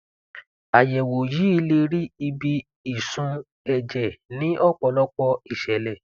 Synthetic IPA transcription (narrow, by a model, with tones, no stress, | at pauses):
a˨jɛ˨wo˨ji˨˦i˧˦le˧ɾi˦i˧bi˧ | i˨sũ˧ | ɛ˧d͡ʒɛ˨nĩ˨˦ʔɔ˦k͡pɔ˧˦lɔ˦k͡pɔ˧i˨ʃɛ˨lɛ˨